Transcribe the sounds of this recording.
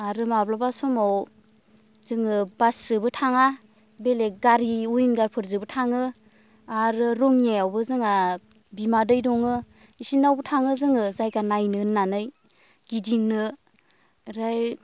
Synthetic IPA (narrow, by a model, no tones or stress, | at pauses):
aɾɯmablabasɔmaw | zɯŋɯbasɯbɯtʰaŋa | beleɡaɾiujnɡaɾpʰɯɾzɯbɯtʰaŋɯ | aɾɯɾɔŋjajawbɯzɯŋa | bimadɯjdɔŋɯ | isinawbɯtʰaŋɯzɯŋɯzajɡanajnɯnːanɯj | ɡ̥idiŋnɯ | ɾaj